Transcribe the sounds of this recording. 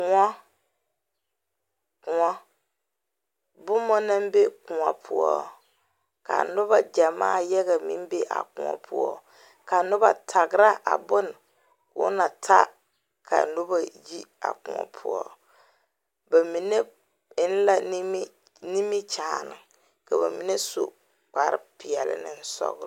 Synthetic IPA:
kʊ˨ŋɔ˦ | kʊ˨ŋɔ˦ | bʊ˦mɔ˦na˦mbe˦kʊ̃˨ŋɔ˨pʰʊ˦ɔ˦ | ka̰˨nʊ˦ba˨d͡ʒa˨ma̰ː˦˨jɛ˦ɣa˨mɪ̰˦m˦be˦ʔa̰˨kʊ̃˨ŋɔ̰˨pʰʊ̰˦ɔ˦ | ka˨nʊ˦ba̰˨tʰa˨ɡɾa˦ʔa̰˨bʊ˦n˨ | kʊ˨˦na˨tʰa˦ | kʰa̰˨nʊ˦ba˨ji˦a̰˨kʊ˨a̰˨pʰʊ˦ɔ˦ | ba˨mi˨ne˦ | ɪ˦n˦la˦ | ni˦mi˦t͡ʃaː˨nɪ˨ | ka˨ba˨mi˨ne˦so̰˨ | k͡pa˨ɾɪ˦pɪ˨ɛ˨lɪ̰˨nɪ˦n̩˦sɔ̰˦ɣ

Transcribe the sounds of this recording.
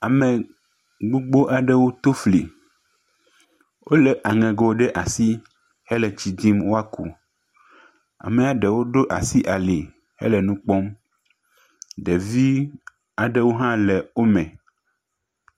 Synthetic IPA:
a˨mɛ̃˨ | ɡ͡bo˦ɡ͡bo˦ʔa˨ɖɛ˦wo˦t̪o˦fli˨ | wʔo˦lɛ˨ʔa˨ŋɛ̃˨ɡɔ˨˦ɖɛ˦ʔa˨si˦ | hɛ˦lɛ˨t͡ɕi˨d̪i˦mwo˦a˦kṵ˨ | a̰˨mɛ̃˨a˨ɖɛ˨wo˦ɖo˦ʔa˨si˦ʔa˨li˨ | hɛ̰˦lɛ˨nũ˦k͡pɔ˦m | ɖɛ˨vi˦ | a˨ɖɛ˦wo˦ɦã˦lɛ˨wo˦mɛ̃˨

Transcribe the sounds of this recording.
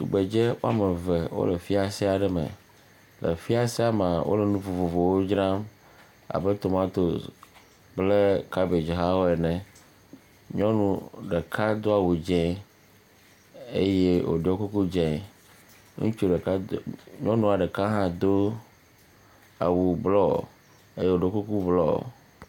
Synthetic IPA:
t̪ṵ˨ɡ͡be˨d͡ʒe˦o˦a˦me˨ve˨wo̰˦le˨fi˦a˨si˦a˨ɖɛ˦mḛ̃˨ | lʔḛ˨fi˦a˨si˦a˦˨mã˨wo̰˦le˨nũ˦vo˨vo˨vo˨wo˦d͡ʒɾã˦m | a̰˨be˦t̪o˨mã˦t̪o˨s | ble˦ka˦be˨d͡ʒe˨ɦa˦wo˦ɛ˨nɛ̃˨ | ɲɔ̃˦nũ˨ɖe˨kʰa˦d̪o˦a˨wu˨d͡ʒɛ̃˦ | e˦je˦wo̰˨ɖɔ˦ku˦ku˦d͡ʒɛ̃˨ | ŋṵ̃˦t͡ʃu˦ɖe˨ka˦ɲɔ̃˦nũ˦a˨ɖe˨ka˦ɦã˦d̪o˦ | a̰˨wu˨blɔ̰˦˨ | e˦je˦wo˨ɖɔ˦ku˦ku˦blɔ̰˦˨

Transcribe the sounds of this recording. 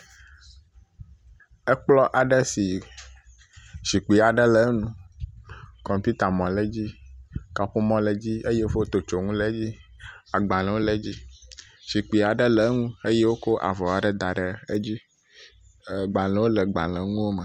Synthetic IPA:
ɛ˦k͡plɔ˦ʔa˨ɖə˦si˨ | ʃi˨k͡pi˨a˨ɖə˦lə˨˦nũ˦ | kɔ̃˨mpi˦t̪a˨mɔ̃˨le˦d͡ʑi˦ka˨ɸu˦mɔ̃˦le˦d͡ʑi˦e˦je˦fo˦o˦t̪o˨t͡ʃo˨ŋũ˦le˦d͡ʑi˦a˨ɡ͡ba˨lɛ̃˨wo˦le˦d͡ʑi˦ | ʃi˨k͡pi˨a˨ɖə˦le˨˦ŋũ˦e˦je˦wo˦ko˦ʔa̰˨vɔ˨a˨ɖə˦d̪a˨ɖə˨e˦d͡ʑi˦˨ | ɡ͡ba˨lɛ̃˨wo˦lə˨ɡ͡ba̰˨lɛ̃˨ŋũ˦wo˦mə˨

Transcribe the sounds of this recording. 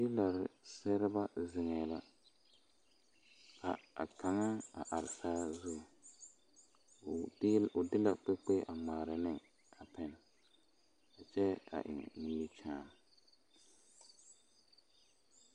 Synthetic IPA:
dɪ˦la˨ɾɪ˨sɛ˦ɾɪ˦ba˦zɪ˨ŋɛː˨la˦ | ka̰˨a̰˨kʰa˨ŋa˦a̰˨ʔa˨ɾɪ˨saː˦zʊ˦˨˦ | ʊ˨dɪ˦la˨k͡pe˦k͡pe˦ʔa˨ŋ͡maː˨ɾa˨nɪ˦ŋ | a˨pɛ˦n˨ | a˨t͡ʃɛ˦a̰˨ʔɪ̰˨ŋ̰˨ni˦ji˦t͡ʃaː˦

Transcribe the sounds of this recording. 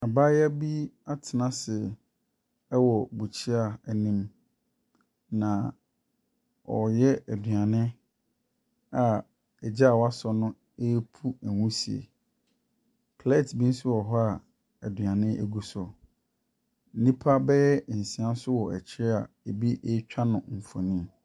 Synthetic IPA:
a˨baː˦ja˦bi˦a˦tʰɪ˨nã˨sɪ˨ | ɛ˦wɔ˨bu˨t͡ɕʰi˦a˨ɛ˨nĩ˦m | nã˨ | ɔ˨jɛ˦æ˨dɥã˨nɪ̃˦ | a˨ | ɛ˨d͡ʑɛ˦a˨wa˦sɔ˨nʊ̃˦ | e˦pʰu˦æ˨wũ˦si˨ḛ˨ | pʰle˦˨tbĩ˦n̩˦sʊ˦wɔ˨ɦɔ˦a˨ | ɛ˨dɥã˨nɪ̃˦ʔe˦ɡu˦sɔ˨ | n̩˦nĩ˦pʰa˦bɛ˦ɛ˦˨si˨ã˦sʊ˦wɔ˨ɛ̰˨t͡ɕʰɪ˦ɾɛ˦a˨ | e˨bi˦ʔe˦t͡ɕᶣa˦nʊ̃˨fɔ̰˨nĩ˦

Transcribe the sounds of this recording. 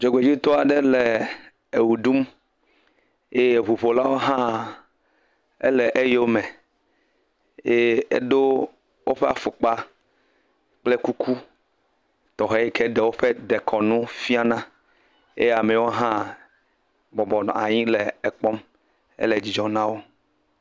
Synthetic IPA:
d͡ʒɔ˨ɡ͡be˨d͡ʑi˦t̪ɔ˦a˨ɖɛ˦le˨ | e˨wu˨ɖu˦m | e˦je˨ɸu˨ɸo˨la˦wo˦ɦã˦ | ḛ˦lɛ˨ʔe˦je˦wo˦mɛ˨ | je˦ḛ˦ɖo˦ | wʔo˦ɸe˦a̰˨fo˨k͡pa˦ | k͡ple˦ku˦kʰu˦ | t̪ɔ˨ɦe˦i˦kʰe˦ɖɛ˨wo˦ɸe˦ɖe˨kʰɔ˨nũ˦fi˦a˦nã˦ | ḛ˦je˦a˨mɛ˨wo˦ɦã˦ | bɔ˨bɔ˨n˨a˨ɲĩ˦lɛ˨ɛ˨k͡pɔ˦m | ḛ˦lɛ˨d͡ʑi˨d͡ʒɔ˨nã˦wo˦

